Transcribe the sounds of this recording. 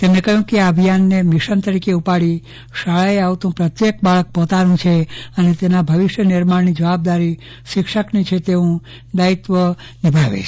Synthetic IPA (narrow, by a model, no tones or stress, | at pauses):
t̪emnekəɦjũkeaəbʱijanːemiʃənt̪əɾikeupaɭi | ʃaɭaeaʋt̪ũpɾət̪jek̚baɭək̚pɔt̪aɾũt͡ʃʰeənet̪enabʱəʋiʃjənɪɾmaɽnid͡ʒəʋab̚d̪aɾi | ʃɪkʃəknit͡ʃʰet̪eũ | d̪ait̪ʋə | nibʱaʋḛt͡ʃʰ